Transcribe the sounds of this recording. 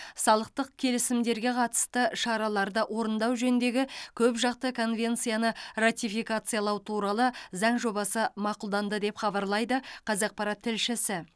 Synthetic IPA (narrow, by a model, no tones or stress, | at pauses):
sɑlˠəq̚t̪əq̚kʲʰe̞lɪsɪmd̪e̞ɾɡʲe̞qʰɑt̪ə̥st̪əʃɑɾɑlˠɑɾd̪əʔwʔo̞ɾənd̪ɑwʒɵnɪnd̪e̞ɡʲɪkʲʰɵpʒɑq̚t̪əkʰo̞nvʲe̞nt̪sɨjanərat̪ʲijfijkat̪sɨjalˠɑwt̪ʰuɾɑlˠəzɑɴʒo̞bɑsəmɑqʊlˠd̪ɑnd̪əd̪e̞pχɑbɑɾlˠɑjd̪əqʰɑzɑq̚pɑɾɑt̪ʰːɪlʃɪsɪ